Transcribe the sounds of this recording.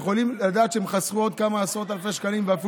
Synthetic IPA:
χo̞limad̪aːt̪t͡ʃʃeemχasʁuo̞d̪̚kamaːsʁo̞t̪alfeʃkalimveafi

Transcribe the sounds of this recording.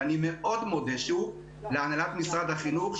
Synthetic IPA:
animeʔod̪mod̪eʃu | leanalat̪misʁad̪haχinuχ

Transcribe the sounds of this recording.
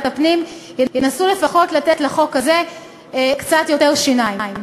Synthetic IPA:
tapnimjejenasule̞faχo̞tlat̪etlaχo̞kaze̞ | ekt͡sat̪jo̞teʁʃinajiim

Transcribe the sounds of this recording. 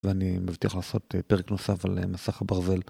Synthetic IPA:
veanimavt̪iaχlaːso̞t̪peʁekno̞safalemasaχabaʁze̞l

